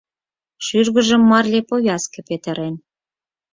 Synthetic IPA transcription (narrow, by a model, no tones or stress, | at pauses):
ʃyrɣə̆ʒə̆mːɑrlepojʲɑskĕpet̪ə̆ɾen